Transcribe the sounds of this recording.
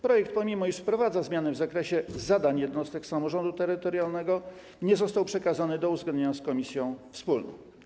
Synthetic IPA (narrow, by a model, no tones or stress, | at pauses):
pɾɔjɛkt̪̚pɔmʲimɔiʂfpɾɔvad̪zazmʲjanɛvzakɾɛɕɛzad̪aɲjɛd̪nɔst̪ɛksamɔʐɔnd̪ut̪ɛɾɘt̪ɔɾjalnɛɡɔ | ɲɛzɔst̪awpʂɛkazanɘd̪ɔuzɡlɛnɲeɲaskɔmʲisʲjɔ̃w̃fspulnɔ̰̃w̃